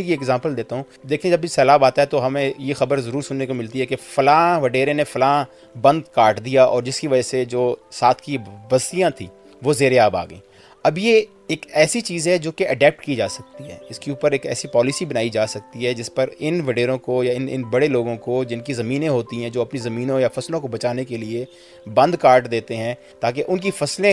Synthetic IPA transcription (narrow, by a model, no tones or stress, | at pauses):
kieːɡzãːmpəld̪eːt̪aɦũː | d̪eːkʰĩẽd͡ʒɐbisɛːlaːbaːt̪aɦɛt̪oɦɐmẽjexɐbəɾzɐɾuːɾsʊnːekomɪlt̪iɦɛkefɐlaːʋɐɖeːɾẽnefɐlaː | bɐ̃nd̪kaːɾʈd̪ijaʔɔ̰ːɾd͡ʒɪskiʋɐd͡ʒased͡ʒoːsaːt̪ʰkibɐst̪ijãt̪ʰḭ̃ː | ʋoːzeːɾeaːba̰ːɡəẽː | ɐbje | eːkɛːsit͡ʃiːzɦɛd͡ʒoːkeʔɐɖɛːp̚ʈkid͡ʒaːsɐk̚t̪iɦɛ̰ːɪskeuːpəɾeːkɛ̰ːsipɔːlɪsibɐnaːid͡ʒaːsɐk̚t̪iɦɛd͡ʒɪspəɾɪnʋɐɖeːɾõkojaɪnɪ̰nbɐɽeloːɡõkod͡ʒɪnkizɐmiːnẽɦoːt̪iɦɛ̃d͡ʒoːɐpnizɐmiːnõjafɐslõkobɐt͡ʃaːnekelie | bɐ̃nd̪kaːɾʈd̪eːt̪eɦɛ̃ː | t̪aːk̬eʔʊnkifɐslẽ